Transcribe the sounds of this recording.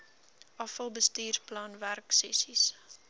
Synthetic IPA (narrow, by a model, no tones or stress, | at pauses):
ʔɐfəlˠbəstiːrplɑːnværksɛsis